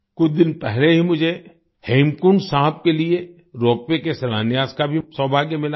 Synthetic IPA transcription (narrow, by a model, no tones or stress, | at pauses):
kʊt͡ʃʰd̪ɪnpɛɦleɦimʊd͡ʒʱe | hẽːmkunsaːɦəb̚kelie | ɾɔːpːekesɐlaːnjaːskabʱisɔbʱaːɡjəmɪla